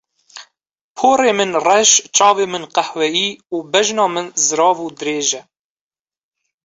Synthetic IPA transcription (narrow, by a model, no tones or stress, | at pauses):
pʰoːreːmɨnrɛʃt͡ʃɑːveːmɨnqɛhwɛjiːuːbɛʒnɑːmɨnzɨɾɑːvuːd̪ɨɾeːʒɛ